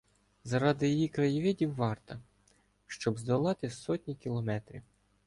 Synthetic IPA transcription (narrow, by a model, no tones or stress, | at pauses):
zɐɾɑd̪ɪjijikɾɐjiʋʲɪdʲiwːɑrt̪ɐ | ʃt͡ʃɔbzd̪ɔlˠɑt̪ɪsɔtʲnʲikʲilˠɔmɛt̪ɾʲḭw